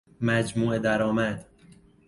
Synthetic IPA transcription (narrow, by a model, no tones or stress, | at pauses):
mæd͡ʒmuːed̪æɾɒːmæd̪